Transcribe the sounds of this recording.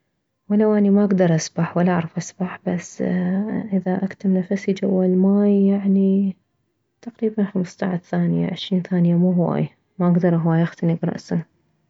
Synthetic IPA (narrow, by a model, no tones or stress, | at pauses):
wɪlːawʔanimaʔaɡd̪ɑɾˤʔasbaħwalːʔaʕɾˤɑfʔasbaħbasː | ʔɪðaʔakt̪amnafasid͡ʒawːalmaːjːaʕni | t̪aqɾiːbanxamst̪aʕaθaːnɪja̰ʕɪʃɾiːnθaːnɪjamuːɦwa̰ːj | maʔaɡd̪ɑɾˤʔɦwaːjʔaxt̪anɪɡɾˤɑ̰ʔsa